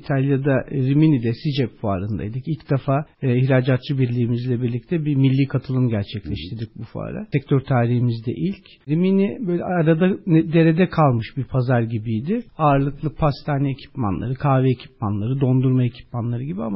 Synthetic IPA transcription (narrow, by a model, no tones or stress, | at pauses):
it̪ʰalʲjad̪aɾiminid̪ɛsid͡ʒɛpfua̰ɾɯnd̪a̰jd̪ɯcilʲcd̪̥efaːiçɾaːd͡ʒat̪̚t͡ʃɯbiɾlʲiːmizlʲɛbiɾlʲic̚t̪ʰɛbimilʲːiːkʰat̪ʰɯlˠɯmɟæɾt͡ʃʰɛclʲɛʃt̪ʰiɾd̪ic̚bufua̰ɾa̰sɛc̚t̪ʰøɾt̪ʰaːɾihimizd̪ɛ̰ʔilʲc | ɾiminibøːjlʲɛaɾad̪aɛd̪e̞ɾed̪ɛkʰalˠmɯʃbiɾpʰazaɾɟibijd̪ɪaːɾlˠɯklˠɯpʰast̪ʰaːniecʰi̥ma̰nlˠa̰ɾɯkʰaːvɛecʰi̥p̚manlˠaɾɯd̪o̞nd̪uɾmaecʰi̥p̚manlˠaɾɯɟibiama